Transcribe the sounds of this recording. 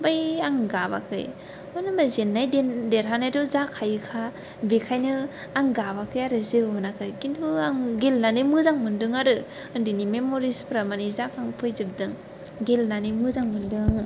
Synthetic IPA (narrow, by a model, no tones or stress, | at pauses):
bajaŋɡaba̰kʰɯ̰j | ɔnɯbazenːajdendeɾɦanajdɔzakʰajɯkʰa | bekʰajnɯ | aŋɡabakʰɯjaɾɯzɯɦɔnakʰɯjkintʰuaŋɡelnanɯmɯzaŋmɯndɯŋaɾɯ | ɯndinimemoɾispɾamanizakaŋpʰɯjzɯb̚dɯŋ | ɡelnanimɯzaŋmɯndɯŋ